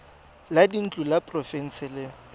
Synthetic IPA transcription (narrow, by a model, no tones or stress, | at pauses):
ladin̩t͡ɬʼulapʼrɔfɛn̩sɪlɪ